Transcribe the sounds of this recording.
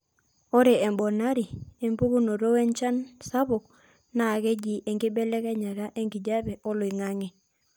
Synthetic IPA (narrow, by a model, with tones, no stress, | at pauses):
o˦ɾe˨e˨mbɔ˨na˦ɾi˨e˨mbu˦ɡu˦no˨ɾo˦we˦nt͡ʃa˦nsa˦βʊ˨k | na˨kɛ˦d͡ʒi˨ʔe˨ŋɡi˦bɛ˦lɛ˦kɛ˦ɲa˨ɾa˦ʔe˦ŋɡi˨d͡ʒa˦bɛ˨ʔɔ˦lʊ˨i˨ŋa˦ŋɛ˨